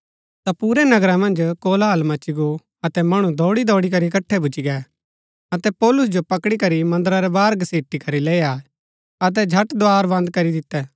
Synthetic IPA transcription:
t̪apuːɾɛnɐɡɾãmɐ̃nd͡ʒkoːlaːlmɐt͡ʃiɡo | ɐt̪ɛmɐɽ̃ũd̪ʱɔːɽid̪ʱɔːɽik̬ɐɾikɐʈʰːɛbʊt͡ʃiɡɛ | ɐt̪ɛpɔːlʊs̬d͡ʒopɐkɽikɐɾimɐ̃nd̪ɾaɾɛbaːɾɡɐseːʈikɐɾileːja | ɐt̪̬ɛd͡ʒʱɐʈd̪oaːɾbɐ̃nd̪̚kɐɾid̪ɪt̪ːɛː

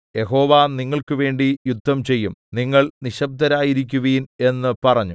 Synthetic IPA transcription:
je̞ɦo̞ːʋaːniŋːɐɭkɨʋe̞ːɳɖijud̪ʱːɐmt͡ɕe̞jːumniŋːɐɭniɕɐb̚d̪ʱɐɾaːjiɾik̬ʲːuʋiːne̞nːɨpɐrɐɲːu

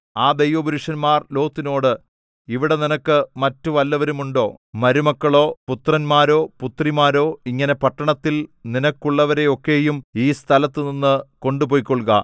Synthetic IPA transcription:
aːd̪ejʋɐbuɾuʂɐnmaːrlo̞ːt̪ːino̞ːɽɨ | iʋiɽe̞ninɐkːɨmɐtːuʋɐlːɐʋɐɾumuɳɖo̞ː | mɐɾumɐkːɐɭo̞ːput̪rɐnmaːɾo̞ːput̪rimaːɾo̞ːiŋːɐne̞pɐʈːɐɳɐt̪ːilninɐkːuɭːɐʋɐɾe̞o̞kːe̞ːjumiːst̪ʰɐlɐt̪ːɨninːɨko̞ɳɖupo̞ːjikːoɭɡɐ̰

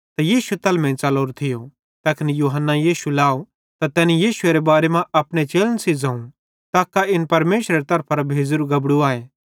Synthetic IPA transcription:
t̪ajiːsuet̪ɐlmɛ̃ːt͡ʃɐloːɾt̪ʰɪjo | t̪ɐːkɪnijuːɦənːajiːsulaːo | t̪at̪ɛːnijiːsʊeɾebaːɾemãʔɐpɽ̃et͡ʃeːlənsid͡zãːũ | t̪aːkaɪnpɐɾmeːʃɾeɾet̪ɐɾpʰaɾabʱeːd͡ʒɾuɡɐbɽuaːeː

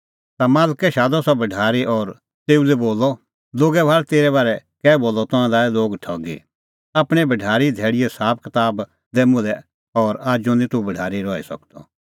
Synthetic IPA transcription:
t̪amaːlkɛʃaːd̪ɔsɔbʱɐɖʱaːɾiʔɔːɾ | t̪eːulɛboːlɔ | loːɡɛbʱaːɾɛt̪eːɾɛβaːɾɛkɛːboːlɔt̪ɔ̃ãlaːɛloːɡʈʰɔːɡḭ | apɽ̃ɛbʱɐɖʱaːɾid̪ʱɛːɽɪjɛsaːp̚ʰkɪt̪aːb | d̪eːmʊ̃lɛ | ɔːɾaːd͡ʒonĩt̪ubʱɐɖʱaːɾiɾɔːḭsɐ̰kt̪ɔ̰

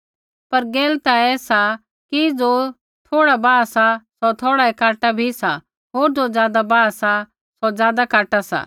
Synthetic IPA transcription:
pɐɾɡeːlt̪aɛːsa | kid͡zo | t̪ʰoːɽabaːsasɔt̪ʰoːɽaɛkaːʈabʱisa | ɦoːɾd͡zod͡zjaːd̪abaːsa | sɔd͡zjaːd̪akaːʈasa̰

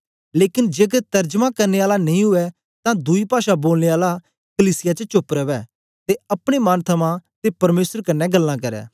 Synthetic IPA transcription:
leːkɪnd͡ʒeːɡɛt̪ɐɾd͡ʒmãkɐɾneːaːlanɐĩɦʊɛ | t̪ãd̪uipaːʃaboːlneːaːla | kəliːsɪjat͡ʃət͡ʃʊpɾɐʋɛː | t̪eɐpɽ̃emɐnt̪ʰɐmãt̪epɐɾmeːsəɾkɐnːɛɡɐlːãkɐɾɛ̰ː

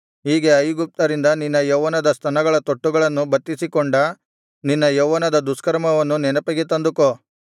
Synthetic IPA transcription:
ɦiːɡe̞ɐjɡup̚t̪ɐɾind̪ɐninːɐjoʋɐnɐd̪ɐst̪ʰɐnɐɡɐɭɐt̪oʈːuɡɐɭɐnːubɐt̪ːisikoɳɖɐ | ninːɐjoʋɐnɐd̪ɐd̪uskɐɾmɐʋɐnːunɛnɐpɐɡet̪ɐnd̪uko

